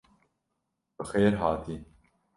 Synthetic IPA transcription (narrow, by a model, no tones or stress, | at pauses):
bɨxeːɾɦɑːt̪ʰiː